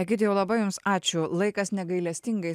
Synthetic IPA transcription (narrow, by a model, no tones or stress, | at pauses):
ɐkʲiːt̪ʲɪjɛʊlˠɐbɐjʊmsɑːt͡ʃʲʊlˠɐɪkɐsnʲɛɡɐɪlʲɛsʲt̪ʲɪŋɡɐɪ